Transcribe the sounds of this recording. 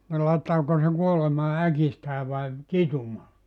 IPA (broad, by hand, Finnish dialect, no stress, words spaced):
ni lɑitːɑːko se kuolemɑː ækistæː ʋɑi kitumɑː